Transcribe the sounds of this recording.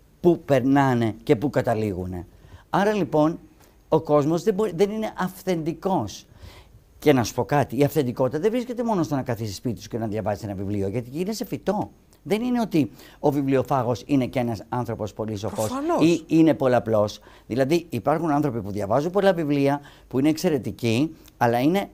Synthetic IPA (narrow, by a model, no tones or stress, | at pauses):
pupe̞ɾnɐne̞ce̞pukɐt̪ɐliɣune̞̰ɐɾɐlipo̞n | o̞ko̞zmo̞zðeboɾiðe̞nine̞ʔɐfθe̞nd̪iko̞s | ce̞nɐsu̥po̞kɐt̪iːɐfθe̞nd̪iko̞t̪it̪ɐðevɾisce̞t̪e̞mo̞nost̪o̞nɐkɐθisi̥spit̪it̪uskenɐðʝɐvɐzise̞nɐvivlio̞ʝɐt̪inese̞fit̪o̞ | ðe̞nine̞o̞t̪io̞vivlio̞fɐɣo̞sinecenɐsɐnθɾo̞po̞spo̞liso̞fosiine̞po̞loɐplo̞s | ðilɐðiipɐɾxunɐnθɾo̞pipuðʝɐvɐzumpo̞lɐvivliɐ | puine̞ːkse̞ɾe̞t̪ici | ɐlɐine̞